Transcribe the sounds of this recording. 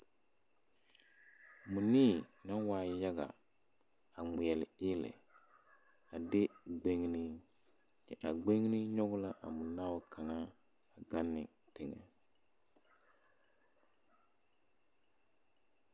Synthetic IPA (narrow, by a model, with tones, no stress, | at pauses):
mu˨niː˦˨ | na˦waː˨ja˦ɣa̰˨ | a˨ŋɪ˨jɛ˨lɪ˨ɪ˦lɪ̰˨ | a˨de˦ | ɡ͡be˦ŋ˦ni˦ | kɛ˨ʔa˨ɡ͡be˦ŋ˦ni˦ɲɔ˦ɡʊ˦la˦ʔa̰˨mʊ˨la˦wʊ˦kʰa˨ŋa˦ | a˨ɡa˦nːɪ̰˨ | tɛ˨ŋɛ̰˨